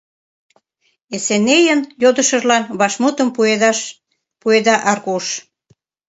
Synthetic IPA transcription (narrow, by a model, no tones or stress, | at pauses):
esenejənjod̪əʃəʒlɑnβɑʃmut̪əm | pued̪ɑʔɑrɣuʃ